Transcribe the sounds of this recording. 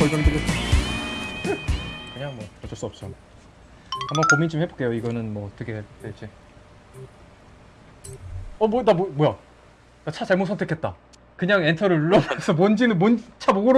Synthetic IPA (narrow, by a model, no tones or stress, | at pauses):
pʌɭd͡ʑʌndɯɡo | kɯɲaŋmwʌpʰʌt͡ɕʰʌɭs͈uʌp̚t͡ɕ͈o | hambʌnkomint͡ɕomhe̞bok͈e̞joiɡʌnɯnmwʌt͈ʰʌɡetet͡ɕe | ʌmodamomoja | dat͡ɕʰat͡ɕaɭmosʰʌntʰekʰet̚t͈a | kɯɲaŋentʰʌɾɯɭuɭːʌmʌnsʰʌmond͡ʑinɯnmont͡ɕʰaboɡoɾ